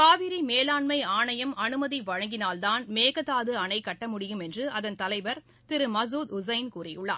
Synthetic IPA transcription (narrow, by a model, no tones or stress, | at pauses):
kaːʋɪɾimeːlaːɳmɐɪaːɳɐjɐmɐnɯmɐðiʋɐɻɐŋɡɪnaːlt̪aːnmeːɣɐt̪ːaːðɯɐɳɐɪkːɐʈːɐmʊɽɪjɯmɛndrɯʔɐðɐnt̪ɐlɐɪʋɐɾ | t̪ɪɾɯmɐz̬uːd̪ʊsɐɪnkuːrɪjɯɭːa̰ː